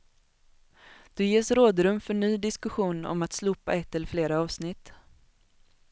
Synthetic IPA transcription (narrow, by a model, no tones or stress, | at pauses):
d̪̥ɵjeːʂɾoːd̪ɾɵmfœɳyːd̪ɪskɵɧuːnɔ̰mat̪sluːpːa̰ɛt̪ːɛlfleːɾaɑːvsnɪt̪ː